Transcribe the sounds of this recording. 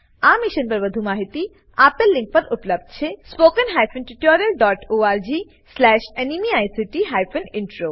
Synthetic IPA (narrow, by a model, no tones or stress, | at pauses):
amiʃənpɐɾbəd̪ʱumaɦit̪i | apelːĩŋk̚pɐɾupləb̚d̪̚t͡ʃʰespokənɦajpʰənʈiʈoɾijəlɖɔʈoːaːɾd͡ʒi | slɛːʃenimiaːjsiʈiɦajpʰəniɳʈɾoː